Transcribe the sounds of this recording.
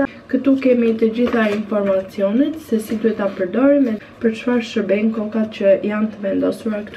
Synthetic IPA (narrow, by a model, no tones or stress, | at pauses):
kət̪ukɛmit̪əd͡ʑiθainfɔɾmat͡siɔnɛt̪sɛsid̪uɦɛt̪apəɾd̪ɔɾinɛpəɾt͡ʃfaɾʃəbɛŋkɔkat̪cəjant̪əvɛnd̪ɔsuɾakt̪